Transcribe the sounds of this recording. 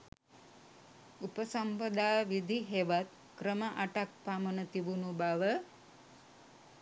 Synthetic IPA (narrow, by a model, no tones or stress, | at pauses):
upəsampəd̪aːʋid̪ʱiɦeʋat̪̚ | kɾəməʔaʈak̚pamənət̪iʋunubaʋə